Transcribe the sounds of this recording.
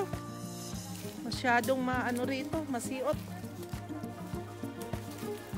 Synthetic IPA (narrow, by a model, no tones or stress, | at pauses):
mɐʃaːd̪oŋmɐʔɐnoɾiːt̪o̞mɐsiːʔot̪̚